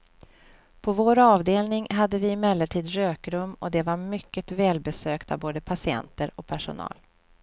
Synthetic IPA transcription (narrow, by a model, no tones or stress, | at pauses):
pʰɔvoːɾɑːvd̪eːlnɪŋɦad̪ːəvɪːmɛlːəʈʰiːd̪ɾøːkɾɵmːɔ̰d̪ɛvaɾmʏkːət̪vɛːlbɛsøːkt̪ʰa̰vboːd̪əpʰasɪɛ̰nt̪əɾɔk̚pʰæʂʊ̰nɑ̰ːl